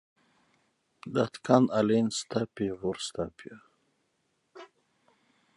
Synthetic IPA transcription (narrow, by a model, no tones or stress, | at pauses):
d̪at̪kʰanalinst̪apivuɾst̪a̰pʰia